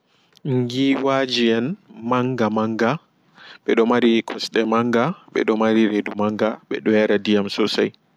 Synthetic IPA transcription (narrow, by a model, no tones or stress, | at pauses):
ŋɡiwad͡ʒiɛnmaŋɡamaŋɡa | ɓɛɗɔmaɾikʰɔsɗɛmaŋɡaɓɛ̰ɗɔmaɾiɾedumaŋɡaɓɛ̰ɗɔjaɾadijamsɔsaj